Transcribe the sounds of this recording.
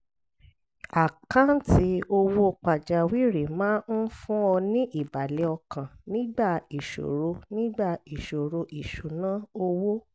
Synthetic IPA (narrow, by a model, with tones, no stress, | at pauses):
a˨kã˦n̩˦ti˦o˧wo˦˧k͡pa˨d͡ʒa˨wi˦ɾe˨mãː˦n̩˦fũ˦ɔ˧nĩ˦ʔi˦˨ba˨lɛ˨˦ɔ˧kã˨nĩ˨˦ɡ͡ba˦˨i˨ʃo̰˨ɾo˨˧nĩ˦ɡ͡ba˦˨i˨ʃo˨ɾo˧ʔi˨ʃu˨˦nã˨˦o˧wo˦